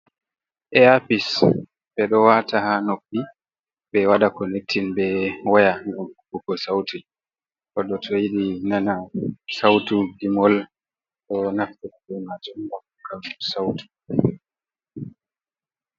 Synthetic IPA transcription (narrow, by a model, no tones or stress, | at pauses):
ʔɛapis | bɛɗɔwatahanopːi | ɓɛwadakɔnek̚tʰːinbɛwajaŋɡɔmkubukɔsawtu | kɔɗɔtʰɔjiɗinanasawtuɡimɔl | ɗɔnaftɛɗɛmatɔbakkʰalsawtu̥